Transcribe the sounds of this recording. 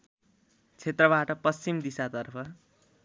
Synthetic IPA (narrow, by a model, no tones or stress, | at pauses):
t͡sʰet̪rʌbaʈʌpʌst͡simd̪isat̪ʌrpʰʌ